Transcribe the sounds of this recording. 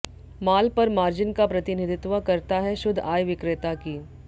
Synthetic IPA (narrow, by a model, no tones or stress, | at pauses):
maːlpɐɾmaːɾd͡ʒɪnkapɾɐt̪ɪnɪd̪ʱɪt̪ʋəkɐɾt̪aɦɛʃʊd̪ʱaːjʋɪkɾɪt̪akiː